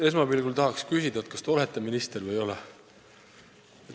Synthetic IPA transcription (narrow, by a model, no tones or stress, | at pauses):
e̞smɑbilɡult̪ɑɦɑkskysid̪̥ɑet̪̚kɑ̥st̪eo̞let̪ːˑeminist̪ervɤjo̞lɛ | e